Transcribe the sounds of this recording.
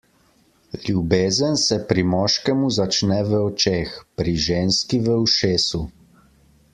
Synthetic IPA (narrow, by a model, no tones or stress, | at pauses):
lʲjubeːzənsɛpɾimɔːʃkɛmuzat͡ʃnɛʋəɔt͡ʃeːxpɾiʒeːnskiʋəwʃeːsu